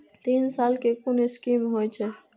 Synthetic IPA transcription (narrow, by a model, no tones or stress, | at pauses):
t̪insalkekoneskimɦojt͡ʃʰɛ